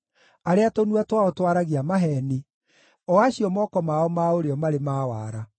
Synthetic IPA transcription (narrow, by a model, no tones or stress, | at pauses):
aɾeatonuatwaɔtwaɾaɣeamaɦɛni | ɔaɕiɔmɔːkɔmaɔmaoɾeɔmaɾemaːwa̰ːɾa